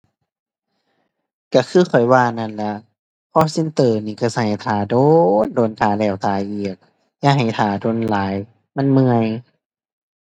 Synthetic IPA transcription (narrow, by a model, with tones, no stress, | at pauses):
ka˧˩kʰɯː˧˥˨xʰɔ˨˩jwaː˧˩na˧˩˨nla˧˩ | pʰɔ˧˥si˧˨nt̪ɤː˧˩niː˧˩ka˧˩sa˧˨˩t̪ʰaː˨˩˦doː˧ndoː˧˩˨nt̪ʰaː˨˩lɛː˧˩wt̪aː˨˧˦jʔiː˨˩ək̚ | jaː˧˨ɦa˨˩jt̪ʰaː˨˩˦doː˧˩˨nlaː˨˦j | ma˧˥˨nmɯ˧əj